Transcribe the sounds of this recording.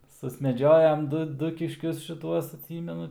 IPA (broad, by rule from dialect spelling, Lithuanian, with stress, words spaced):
sʊsʲmʲɛˈd͡ʒʲoːjɛm ˈdʊ ˈdʊ kʲɪʃʲˈkʲʊs ʃʲɪˈtuɔs ɐtʲˈsʲiːmʲɛnʊ